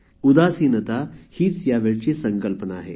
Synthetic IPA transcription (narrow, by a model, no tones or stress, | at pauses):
ud̪asiːnət̪ahiːt͡sjaʋeɭt͡ɕesəŋkəlpənaːɦḛ